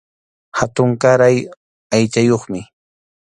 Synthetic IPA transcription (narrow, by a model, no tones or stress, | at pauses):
hat̪ʊŋkaɾaj | ajt͡ʃajoχmɪ